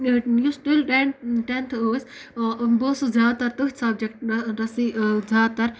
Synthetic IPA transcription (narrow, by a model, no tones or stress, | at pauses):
jusʈilʈenʈent̪ʰoːs | boːsozaːd̪t̪ɐɾt̪uɦʲsɐbd͡ʒekʈ̚ɾɐsizaːt̪ɐɾ